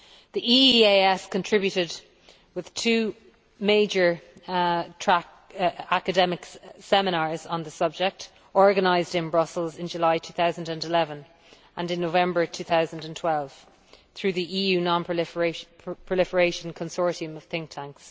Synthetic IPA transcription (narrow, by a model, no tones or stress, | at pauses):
ðiʔieɪɛskʰə̃ntʰɹ̥ɪbjʉɾɪd | wɪð̥tʰʉː | meɪd͡ʒə˞ | tʰɹ̥ak | akədɛmɪksɛmɪñɑːɹzə̃nðəsʌb̚d͡ʒɪk̚t | ɔɹɡənaɪzdɪ̃nbɹʌsəlˠzɪ̃nd͡ʒəlaɪtʰʉːθaʊzə̃n̩də̃nɪlɛvə̃n | ʔə̃nɪ̃nːoʊvɛ̃mbə˞tʰʉːθaʊzə̃ndə̃ntʰw̥ɛlˠv̥ | θɹʉːðiʔiːjʉːnɑ̃nʰ | pʰɹ̥əlɪfəɹeɪʃə̃nkʰə̃nsɔɹɾiə̃məv̥θɪ̃ŋk̚tʰãŋks